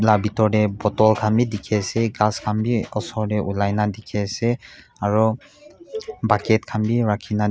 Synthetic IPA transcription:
labitɔdɛbɔtɔlkʰambidikʰɛasɛɡaskʰambiɔsɔɹdɛʔulajnadikʰɛasɛ | aɹɔ | bakɛt̚kʰambiɹakʰina

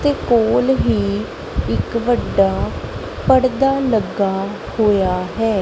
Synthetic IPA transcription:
t̪eːkoːlɦiː | ɪkʋəɖːaː | pəɽd̪aːləɡːaː | hoːjaːɦɛː

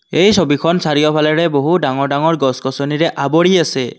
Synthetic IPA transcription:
ejsobikʰɔnsaɹijɔpʰalɛɹɛboɦudaŋɔɹdaŋɔɹɡɔskɔsɔniɹɛʔabɔɹiasɛ

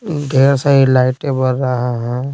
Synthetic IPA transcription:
ɡʱeːɾsəɦilaːɪʈebəɾːaɦaɦɛ̃

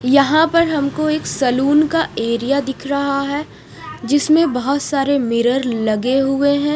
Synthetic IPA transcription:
jɐɦãpɐɾɦɐmkoeːksɐluːnkaeːɾijad̪ɪkʰɾɐɦaɦɛː | d͡ʒɪsmẽbɐɦʊt̪saːɾemɪɾəɾlɐɡeɦʊeɦɛ̃ː

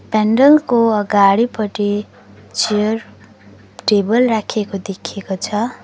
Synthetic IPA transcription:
paɳɖʌŋkoʌɡaɽipʌʈi | t͡siʌr | ʈebʌlrakʰekod̪ekʰekot͡sʰʌ

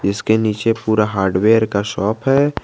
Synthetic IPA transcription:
d͡ʒɪskeniːt͡ʃepuːɾaɦaːɾɖweːəɾkaʃɔːpɦɛː

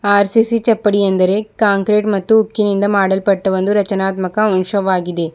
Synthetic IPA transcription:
aːɾsisit͡ʃɐpːɐɽiɐnd̪ɐɾekaːŋkɾeːʈmɐt̪ːɯʊkːjɐnɪnd̪ɐmaːɽɐlpɐʈːɐʋɐnd̪ɯɾɐt͡ʃɐnaːt̪mɐkɐʊnʂɐʋaːɣiðeː

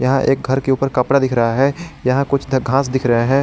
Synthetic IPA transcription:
jɐɦãʔḛːk̚ɡʱɐɾkeuːpəɾkɐpɽad̪ɪkʰɾɐɦaɦɛːjɐɦãkʊt͡ʃʰd̪ɡʱãːsd̪ɪkʰɾɐɦeɦɛ̃ː

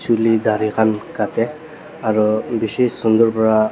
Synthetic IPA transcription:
sulid̪aɹikʰankatɛ | aɹubisessund̪ɔɹpɔɹa

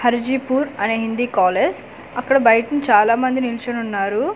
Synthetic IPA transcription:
hɐɾd͡ʒipuːɾɐne̞ːɦind̪iːkaːleːd͡ʒ | ɐkːɐɽɐbɐjɐʈɐnt͡ʃaːlaːmɐnd̪inilit͡ʃɐnunːaːɾu

